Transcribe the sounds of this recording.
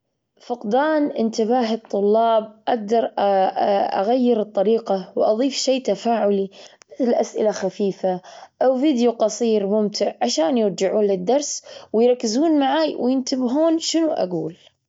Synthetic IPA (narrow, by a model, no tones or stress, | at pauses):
fʊqd̪aːnʔɪnt̪ɪbaːɦɨt̪ˤːʊlːɑːb̚ʔaɡ̚d̪ɑɾˤ | ʔa̰ɣajːɪɾɨt̪ˤːɑɾiːqɑwʔɑðˤiːfʃeːt̪afaːʕʊlimɪθɪlʔasʔɪ̰laxafiːfaʔawviːd̪juqɑsˤiːɾmʊmt̪ʰɪʕʕaʃaːnjɪɾd͡ʒɪʕuːnlɪd̪ːɑɾˤswɪjɾˤɑkːɪzuːnmaʕaːjwɪjɪnt̪ɪbɦuːnʃɪnuʔa̰ɡuːl